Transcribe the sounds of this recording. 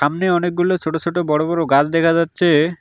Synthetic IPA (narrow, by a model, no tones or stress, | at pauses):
amneɔnek̚ɡulot͡ɕʰoʈot͡ɕʰoʈobɔɽobɔɾoɡad͡ʑʰd̪ɛkʰad͡ʑatːɕʰe